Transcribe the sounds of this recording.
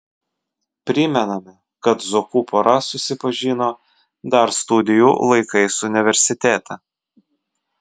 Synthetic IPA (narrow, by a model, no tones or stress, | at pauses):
pʲɾʲɪmʲɛnɐmʲɪ | kɐt̪zokuːpɔɾɐsʊsʲɪpɐʒʲiːnoː | d̪ɐɾst̪ʊd̪ʲɪjuːlˠɐɪkɐɪsʊʊnʲɪʋʲɛɾʲsʲɪt̪ʲeːt̪ʰɐ